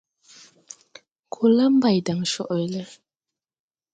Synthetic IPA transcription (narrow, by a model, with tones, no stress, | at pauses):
kʰo˨la˦mba˨jda˨ŋʃɔ˦˨ʔɔ˨jlə˦